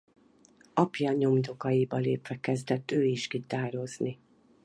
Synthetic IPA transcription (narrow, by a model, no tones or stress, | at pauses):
ɒpjaɲo̞md̪o̞kɒjibɒlḛːpʋɛkɛzd̪ɛt̪ːøːiʃkit̪aːɾo̞zni